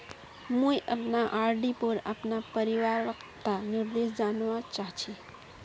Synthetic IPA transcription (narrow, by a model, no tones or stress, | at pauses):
mũjʔəpnaʔaɾɖipəɾa̰pnapəɾiʋaɾəkt̪aniɾd̪esd͡ʒanʋãt͡ʃaɦt͡ʃʰi